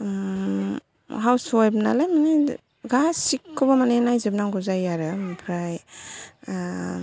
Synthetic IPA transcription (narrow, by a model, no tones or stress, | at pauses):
ɦawsɔjbna̰lajmane | ɡasikʰːɯbamanenajzep̚naŋɡuzajaɾɯmpʰɾaj